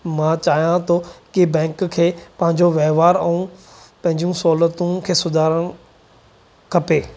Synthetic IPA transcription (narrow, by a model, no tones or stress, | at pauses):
mãːt͡ɕaːɦijãt̪ʰokɪbɛ̃ːkkʰeːpɐ̃ɦɪ̃ɲd͡ʑoʋɛɦʋaːɾɛ̃ũ | pɐ̃ɦɪ̃ɲd͡ʑijũsɔːlət̪ũkʰeːsʊd̪ʱaːɾəñ | kʰɐpeː